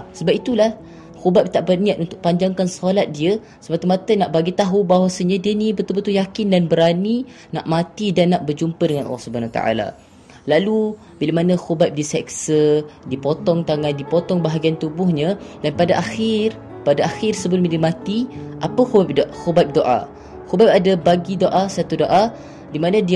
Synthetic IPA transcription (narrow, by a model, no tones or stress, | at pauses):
səbap̚it̪ulah | xubap̚t̪aʔpərniat̪̚unt̪ʊk̚paɲd͡ʒaŋkansəɦalat̪̚diə | səmat̪əmat̪ənaʔbaɡit̪aɦubaɦwasəɲədiənibət̪ubət̪ujakɪndanbəɾani | na̰ʔmat̪idanːaʔbərd͡ʒumpədəŋanʔɑ̰lːɔhsəbanawət̪a̰ʔa̰la̰ | lalu | bilamanãxubap̚disɛksədipɔt̪ɔŋt̪aŋandipɔt̪ɔŋbaɦaɡiant̪ubʊhɲədanpadaʔaxɪr | padaʔaxɪrsəbʊt̪̚midimat̪iʔapəxubap̚doxobap̚doʔa̰ | xobap̚adabaɡidoʔasat̪udoʔa | dimanãdi